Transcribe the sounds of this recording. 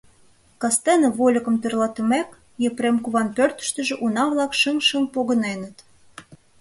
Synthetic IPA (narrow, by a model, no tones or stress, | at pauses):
kɑst̪enə̆βolʲə̆kə̆mperlɑt̪ymæk | jepɾemkuβɑnpørt̪ə̥̆ʃt̪ə̆ʒĕʔunɑβlɑkʃəŋʃəmpoɣə̆nenə̆t̪